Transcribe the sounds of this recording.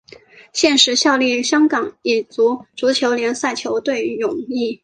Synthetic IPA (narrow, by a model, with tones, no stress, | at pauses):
ɕjɛ˥˩nʂɻ̩˧˥ɕjɑ˥˧ʊli˥˩ɕjɑ˥ŋkɑ˨˩ŋi˨˩t͡su˧˥t͡su˧˥t͡ɕʰjo˧˥ʊljɛ˧˥nsa˥˩ɪt͡ɕʰjo˧˥ʊt̪we˥˩ɪɻʊ˨˩ŋi˥˩